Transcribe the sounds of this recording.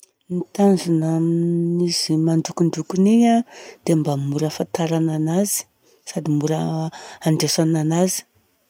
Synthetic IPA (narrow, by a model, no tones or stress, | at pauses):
nit̪anzunaminiz̥imaɳɖ͡ʐukuɳɖ͡ʐukuniad̪̥embamuɾəfant̪aɾananazi̥ | sad̪imuɾəaɳɖ͡ʐesananazi̥